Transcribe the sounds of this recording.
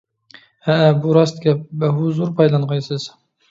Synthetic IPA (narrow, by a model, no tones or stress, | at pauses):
æbuɾɑst̪kʲɛbæɦuzuɾpʰɑjlˠɑnʁɑjsɨz̥